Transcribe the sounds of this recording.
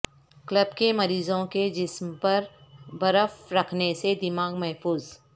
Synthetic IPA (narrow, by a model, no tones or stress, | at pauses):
kləbkemɐɾiːzõked͡ʒɪsmpɐɾbɐɾəfɾɐkʰnesed̪ɪmaːɡmɛɦfuːz